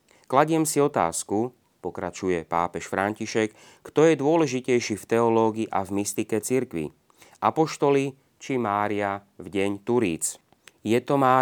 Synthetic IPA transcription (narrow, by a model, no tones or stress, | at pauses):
klaɟɪɛmsiɔt̪a̰ːsku | pɔkɾa̰t͡ʃujɛpa̰ːpɛʃfɾaɲciʃɛkː | t̪ɔjɛd̪ʊɔlɛʒicɛjʃiːft̪ɛɔlɔːɡiiːʔa̰vmist̪ikɛt͡siɾkʋḭ | ʔapɔʃt̪ɔli | t͡ʃimaːɾia | vɟɛɲt̪uɾḭːt͡s | jɛt̪ɔmaː